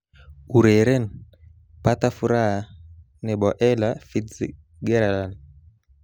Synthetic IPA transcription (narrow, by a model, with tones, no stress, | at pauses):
u˨ɾɛ˨ɾɛ˦n | pa˦ta˦fu˨ɾa˦a˨ | nɛ˨ɓɔ˨ʔɛ˦lafi˦t͡s | ɡɛ˦ɾa˨lan